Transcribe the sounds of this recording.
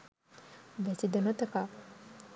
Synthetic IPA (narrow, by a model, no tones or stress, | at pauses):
basidanat̪aka